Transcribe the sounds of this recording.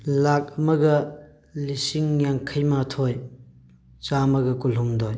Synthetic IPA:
lak̚ɐmɐɡɐ | lisiŋjaŋkʰɐjmatʰoj | t͡ʃamɐɡɐkulɦumdoj

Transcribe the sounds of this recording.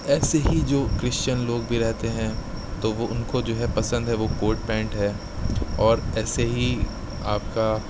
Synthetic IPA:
ɛːseɦid͡ʒoːkɾɪʃt͡ʃənloːɡ̚bʱiɾɛɦt̪eɦɛ̃ | t̪oʋoʊnkod͡ʒoːɦɛpɐsə̃nd̪ɦɛʋokoːɾʈ̚pɛ̃ːɳʈɦɛː | ɔːɾɛːseɦi | aːpka

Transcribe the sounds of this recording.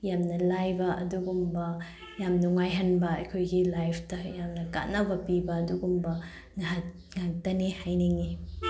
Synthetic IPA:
jamnɐlajbɐʔɐ̰duɡumbɐ | jamnuŋajɦɐnbɐɐ̰jkʰojɡilajpʰtɐjamnɐka̰t̚nɐbɐpibɐːduɡumbɐ | nɐɦɐt̚ | ŋak̚tɐnihajniŋi

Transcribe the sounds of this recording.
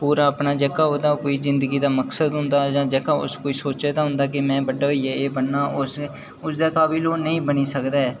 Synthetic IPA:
puːɾaːəpnaːd͡ʒɛːkaːɦoːd̪aːkoːiːzɪ̃nd̪əɡiːd̪aːməksəd̪ɦʊ̃nd̪aːd͡ʒãːd͡ʒɛːkaːʊ̰skoːiːsoːt͡ʃeːd̪aːɦʊ̃nd̪aːk̬ɪmɛ̃ːbəɖːɦoiːɛːeːbəɳːaːʊs | ʊsd̪aːkaːbiloːnəĩːbəniːsəkd̪aːɛː

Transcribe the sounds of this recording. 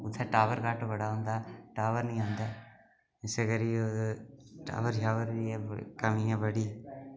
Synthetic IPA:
ʊt̪ʰːaːʈaːʋəɾɡaːʈbəɽaːɦʊ̃ːnd̪aːʈaːʋəɾnəĩːɦõːnd̪aː | ɪseɡəɾio | ʈa̰ːʋəɾd͡ʒaːʋəɾiɛkəmiãbəɽi

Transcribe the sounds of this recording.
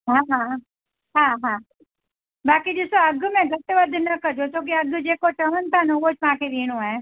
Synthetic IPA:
ɦãːɦã | ɦãːɦãː | baːkid͡ʒisoɐɡmẽɡɐt̪ːʋɐd̪ʱnɐkɐɾd͡ʒoːt͡ʃõːk̬iɐɡjd͡ʒeːkoʈɐnt̪ʰanõːɡot͡ʃpãːked̪iːñuaẽː

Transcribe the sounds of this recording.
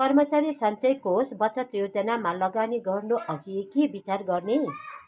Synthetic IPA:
kʌrmʌt͡saɾisʌnt͡sʌjkosbʌt͡sʌt̪jod͡zʌnamalʌɡaniɡʌrnoʔʌɡiekebit͡sarɡʌrne

